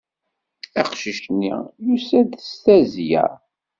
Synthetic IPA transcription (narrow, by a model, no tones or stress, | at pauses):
æqʃiʃnːḭjusæd̪əst̪æzjæ̰ɾ